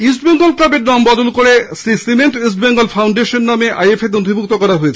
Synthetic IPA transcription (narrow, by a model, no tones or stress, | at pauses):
is̬ʈ̚beŋɡolklabeɾnambɔd̪olkoɽesisimeɳʈis̬ʈbeŋɡolfʰawɳɖeʃonːameʔa̰jefet̪od̪ʱibʱuk̚t̪okɔɾaɦoet͡ɕʰ